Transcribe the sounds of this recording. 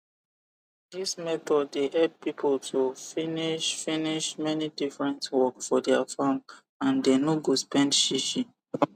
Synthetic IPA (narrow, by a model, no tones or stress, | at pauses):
dismɛθɔdːeʔɛd̚pipʰəltʰufiniʃfiniʃmɛnidifɹɛ̃ntwɔkfɔdɛafam | ãndenoɡospɛ̃ndʃiʃĩ